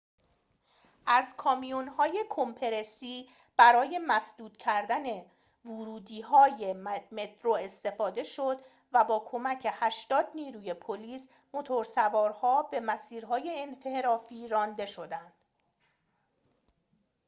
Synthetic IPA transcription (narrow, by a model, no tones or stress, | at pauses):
ʔæzkʰɒːmijunhɒːje̞kʰompʰe̞ɾesiː | b̥æɾɒːje̞mæsd̪uːd̪̥cʰæɾd̪æne̞ | vuɾuːd̪iːɦɒːjeme̞t̪ʰɾoe̞st̪e̞fɒːd̪e̞ʃod̪ | væbɒːkʰo̞mæcʰe̞hæʃt̪ɒːd̪niːɾuːje̞pʰoliːs | mo̞t̪ʰo̞ɾsævɒːɾhɒːbe̞mæsiːɾɦɒːje̞ːnfe̞hɾɒːfiːɾɒːnd̪e̞ʃo̞d̪ænd̪̥